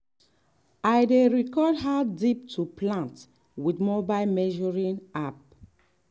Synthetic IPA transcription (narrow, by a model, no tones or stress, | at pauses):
ajdeɹikɔdɦadip̚tʰuplãnt | widmɔbajlmɛʒɔɹĩnap̚